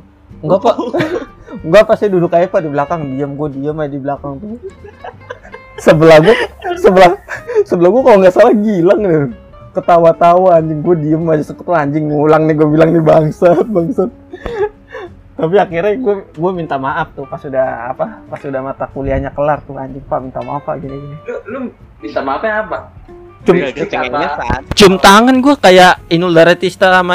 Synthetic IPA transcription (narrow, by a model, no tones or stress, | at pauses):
ŋɡapa | ŋɡapasidudʊkajipadiblakaŋdiəmɡuadiəmaadiblakaŋt̪ʊ | səbəlaɡuasəbəlasəbəlahɡuakaloŋɡasalaɡilaŋni | kət̪awat̪awaːɲd͡ʒɪŋɡuadiəmːad͡ʒasəkət̪waɲd͡ʒɪŋːulaŋniɡuabilaŋnibaŋsat̪̚baŋsat̪̚ | t̪apiakirɲaɡuaɡuamint̪amaʔap̚t̪ʊhpasudaa̰papasudahmat̪akuliaɲakəlart̪ʊhaɲd͡ʒɪŋpamint̪amapa̰ɡiniɡinillʊ | mint̪amaapapa | t͡ʃʊmt͡ʃəŋɲaat͡ʃʊmt̪aŋanɡuakajaʔinuldaɾat̪ist̪aama